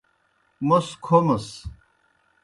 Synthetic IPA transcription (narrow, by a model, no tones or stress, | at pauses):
moskʰomɐs